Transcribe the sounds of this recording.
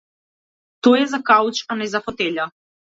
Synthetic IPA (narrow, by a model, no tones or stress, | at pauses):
t̪ɔjɛzakawt͡ʃanɛzafɔt̪ɛʎa